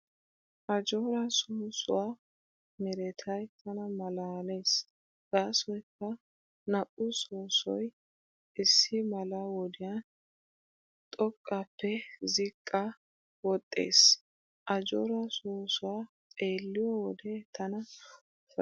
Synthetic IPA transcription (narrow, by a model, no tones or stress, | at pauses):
ʔɐd͡ʒoːɾɐsʊmʊsʊwaː | mɛɾɛt̪ʰɐjt̪ʰɐnɐmɐlaːleːs | ɡ̥aːsɔjkːɐ | nɐʔʊsoːsɔj | ɪsːɪmɐlɐwɔd̪ɪjɐ | t̪ʼɔkʼːapːɛzɪkʼːɐ | wɔt̪ʼːe̞̰ːs | ʔɐd͡ʒoːɾɐsoːsʊwa | tʼe̞ːlːɪjɔwɔd̪et̪ʰɐnɐ | f